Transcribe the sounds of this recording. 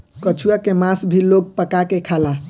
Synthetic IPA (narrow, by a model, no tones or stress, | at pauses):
kət͡ʃʰuakemasbʱiloɡ̚pəkakekʰala